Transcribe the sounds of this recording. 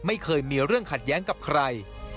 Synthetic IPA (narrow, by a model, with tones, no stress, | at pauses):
ma˥˩jkʰɤː˧jmiː˧ɾɯ˥˩əŋkʰa˨˩t̪̚jɛː˦˥ŋka˨˩p̚kʰɾa˧j